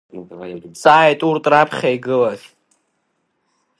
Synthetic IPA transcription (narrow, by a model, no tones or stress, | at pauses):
t͡sʼaːjɛt̪ʼuɾt̪ʼɾapʰχʲajɡɨlaɬ